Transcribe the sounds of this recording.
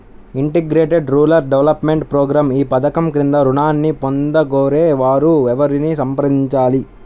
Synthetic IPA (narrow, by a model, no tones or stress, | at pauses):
iɳʈeɡɾeːʈeɖɾuːlɐɾɖɛʋlɐpmeɳʈpɾɔːɡɾaːmiːpɐd̪ɐkɐmkɾind̪ɐɾuɳaːnːipond̪ɐɡoːɾeːʋaːɾuʋɛʋɐɾinisɐmpɐɾɐd̪iɲt͡ʃaːli